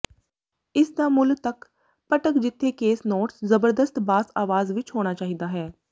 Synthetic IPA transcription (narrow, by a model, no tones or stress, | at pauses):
ɪsd̪aːmʊlt̪ək | pəʈəkd͡ʒɪt̪ʰːeːkeːsnoːʈszəbəɾd̪əst̪baːsaːʋaːzʋɪt͡ʃɦoːɽ̃aːt͡ʃaːɦiːd̪aːɦɛː